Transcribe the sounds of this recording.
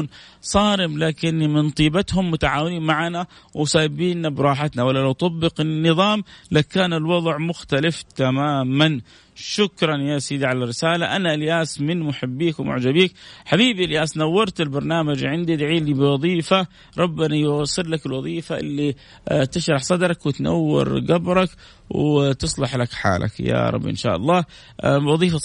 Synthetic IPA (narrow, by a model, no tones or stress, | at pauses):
nsˤɑːɾɪmlaːkɪnːmɪnt̪ˤiːbat̪hʊmːʊt̪aʕa̰ːwɪliːnmaʕanawsaːbiːnːabɾˤɑːħat̪nawalːalawt̪ˤɑbːɪqɪnːɨðˤɑːmlakaːnɪlwɑðˤʕmʊxt̪alɪft̪amaːman | ʃʊkɾˤɑnjaːsjd̪iʕalarːɪsaːlaʔanaʔɪljaːsmɪnmʊħɪbːiːkw̰mʊ̰ʕd͡ʒabiːkħabiːbiʔljaːsnawːɑɾˤt̪ɪlbɑɾˤnaːmad͡ʒʕɪnd̪id̪aʕiːlibɪwɑðˤiːfa | ɾˤɑbːanajɑsˤɨɾlakɪlwɑðˤiːfaʔɪ̰lːi | t̪ɪʃɾˤɑħsˤɑd̪ɾˤɑkwɪt̪na̰wːɪ̰ɾɡabɾˤɑk | wt̪ɨsˤlɑħlakħa̰ːlʔa̰kja̰ɾˤɑ̰bːʔɪ̰nʃa̰ːʔɑ̰lˤːɑː | wɑðˤiːfa